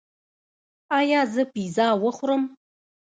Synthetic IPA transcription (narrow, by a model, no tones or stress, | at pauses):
ajazɨpʰʷizaːwɐχʷʊrɨm